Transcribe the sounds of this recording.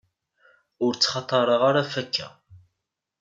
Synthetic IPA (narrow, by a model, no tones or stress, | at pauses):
ʊɾt͡sːχɑt̪ˤːɑɾˤəʁaɾafækːæ̰